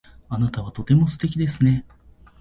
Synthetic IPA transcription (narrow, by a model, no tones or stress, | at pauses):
anat̪aβ̞at̪o̞t̪e̞mo̞sɨ̥t̪e̞kʲid̪e̞sɨne̞